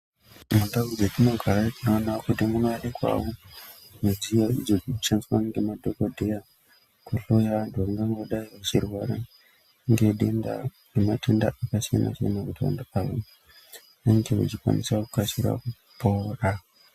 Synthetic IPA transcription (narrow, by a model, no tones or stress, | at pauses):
mundaɡud͡zetimakʰaɾaikunanakudemuŋaɗekwa̰wo | med͡zijaḭd͡ʒod͡zikut͡ʃanswanŋɡemadokodeja | kuɬojandoaŋɡaŋɡoɗaiʋat͡ʃiɾuwaɾa | ŋɡeɗenda̰ | ematʰunda̰ʔakasiena̰t͡ʃḛnakutiwa̰ndeawa | aɲkeṵt͡ʃikwa̰nḭsaku̥kasiɾa̰ku | poɾa